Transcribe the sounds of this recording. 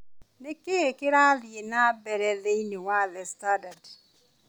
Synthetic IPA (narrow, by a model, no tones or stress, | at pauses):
nɪkeekɪɾaðɪjenabɛɾɛðejnewalɛstadad